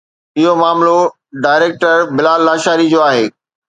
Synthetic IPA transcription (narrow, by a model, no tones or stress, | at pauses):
ɪɦomaːmlo | ɖaːɪɾeːk̚ʈəɾbɪlaːlːaːʃaːɾid͡ʑoːaːɦeː